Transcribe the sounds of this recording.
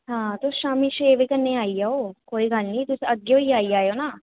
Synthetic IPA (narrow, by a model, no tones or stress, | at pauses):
ɦãːt̪oʃaːmiːʃeːʋikənːeːaːiːaoːkoːiːɡəlnĩːt̪ʊsĩəɡjõːiːaːiːaːjoːnaː